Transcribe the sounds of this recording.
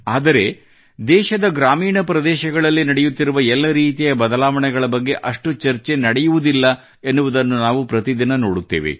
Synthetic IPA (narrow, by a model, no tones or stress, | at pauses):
aːd̪ɐɾe̞ | d̪ɛːʃɐd̪ɐɡɾaːmiːɳɐpɾɐd̪ɛːʃɐɡɐɭɐlːinɐɽejut̪ːiɾuʋɐɛlːɐɾiːt̪ijɐbɐd̪ɐlaːʋɐɳɛɡɐɭɐbɐɡːe̞ʔɐʂʈut͡ʃɐɾt͡ʃe̞nɐɽɛjuʋud̪ilːɐ | enːuʋud̪ɐnːunaːʋupɾɐt̪id̪inɐno̞ːɽut̪ːḛːʋḛ